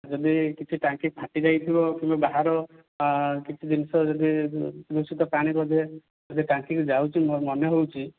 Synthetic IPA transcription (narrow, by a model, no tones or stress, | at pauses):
d͡ʒɔd̪ikit͡ʃʰiʈaŋkik̚bʰʱaʈid͡ʒajt̪ʰibɔkĩm̃babaɦaɾɔ | kit͡ʃʰid̪insɔd͡ʒɔd̪id̪usit̪ɔpaɽ̃ibɔd̪ʱe | d͡ʒɔd̪iʈaŋkikd͡ʒawt͡ʃʰimmɔnɔɦowt͡ʃʰi